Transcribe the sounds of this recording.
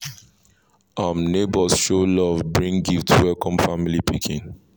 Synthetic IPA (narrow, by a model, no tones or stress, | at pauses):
amnebɔsʃolɔvbɹĩŋɡiftwɛlkʰɔ̃mfamilipikʰĩn